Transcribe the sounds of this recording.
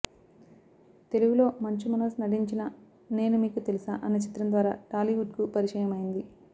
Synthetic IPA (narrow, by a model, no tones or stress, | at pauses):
t̪e̞luʋulo̞ːmɐɲt͡ʃimɐnɐsnɐɽiɲt͡ʃinɐ | ne̞ːnumiːkut̪e̞lisaːʔɐnːɐt͡ʃi̥t̪ɾɐnd̪ʋaːɾa̰ːʈaːliʋuɖ̚kupɐɾiʂɐjɐmɐjind̪i